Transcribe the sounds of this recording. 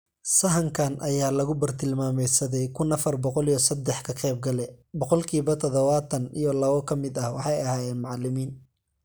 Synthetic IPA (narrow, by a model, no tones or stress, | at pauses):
sɐɦɐŋkʰanʔɐjaːlɐɣʊbɐrt̪ʰɪlmaːmɛjsɐðɛjkʰʊnɐfɐrbɔqɔlijɔsɐd̪ːɛħkʰɐqɛːb̚ɡɐlɛbɔqɔlkʰiːβɐt̪ʰɔðɔβaːt̪ʰɐnijɔlɐβɔkʰɐmɪd̪ɐhwɑħɑjɐhaːjɛːnmʊʕɑlɪmiːn